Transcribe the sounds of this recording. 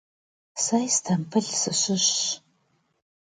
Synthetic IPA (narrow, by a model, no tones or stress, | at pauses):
sajstʰɐmpʰɨɮsɨɕɪɕ